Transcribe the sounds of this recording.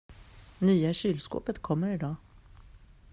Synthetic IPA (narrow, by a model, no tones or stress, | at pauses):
nyːaɕyːlsko̰ːpət̪kʰɔmːəɾɪd̪ɑː